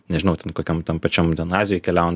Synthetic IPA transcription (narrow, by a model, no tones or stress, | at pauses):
nʲɛʒʲɪnɐʊt̪ʲɛnkoːkʲɛmt̪ʲɛmpɐt͡ʃʲomt̪ʲɛnɑːzʲɪjojkʲɛlʲæʊn